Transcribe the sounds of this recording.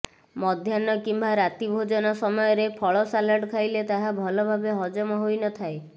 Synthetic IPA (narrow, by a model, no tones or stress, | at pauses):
mɔd̪ʱjanɔkimbʱaɾat̪ibʱod͡ʒɔnɔsɔmɔjɔɾepʰɔɭɔsalaɖkʰajlet̪aɦabʱɔlɔbʱabeɦɔd͡ʒɔmɔɦojnɔt̪ʰae